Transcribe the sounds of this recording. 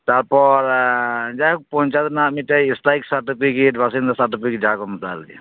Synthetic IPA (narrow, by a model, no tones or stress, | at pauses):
t̪aɾpɔɾd͡ʒajk̚pɔɦnt͡ʃad̪namiʈajːstajksaɾʈipʰikeʈ̬basind̪ɔsaɾʈipiked͡ʒakɔmt̪a̰lḭ